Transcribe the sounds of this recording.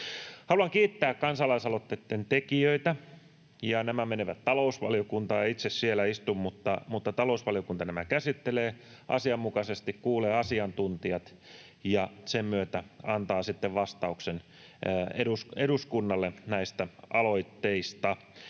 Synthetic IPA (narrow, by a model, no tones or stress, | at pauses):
hɑluɑŋkiːt̪ːæːkkɑnsɑlɑisɑlot̪ːet̪ːent̪ekiøit̪æ | jɑnæmæmeneʋæt̪tɑlousʋɑ̰lijokunt̪ɑːit̪sessielæist̪ummut̪ːɑmut̪ːɑt̪ɑlousʋɑliokunt̪ɑnæmækæsit̪ːeleː | ʔɑ̰siɑmːukɑsest̪ikkuːleːɑsiɑnt̪unt̪iɑt̪ | jɑsemmyøt̪æɑnt̪ɑːsit̪ːeʋʋɑst̪ɑuksenː | ḛuseɾuskunːɑlːenæist̪æɑloit̪ːeist̪ɑ